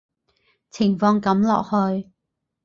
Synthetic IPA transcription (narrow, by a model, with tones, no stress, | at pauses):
t͡sʰɪ˨˩ŋfɔː˧ŋkɐ˨˥mlɔ̰ː˨k̚hɵ˧ɥ